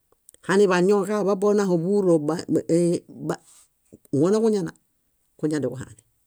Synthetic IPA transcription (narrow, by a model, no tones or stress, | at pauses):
haniβaɲokababonahobuɾoba | ba | ŋonakuɲana̰ | kuɲandikuɦa̰ni